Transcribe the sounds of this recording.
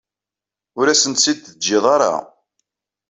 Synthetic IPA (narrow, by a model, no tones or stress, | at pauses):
ʊɾæsənt̪sid̪əd͡ʒːɪðˤɑɾˤɑ̰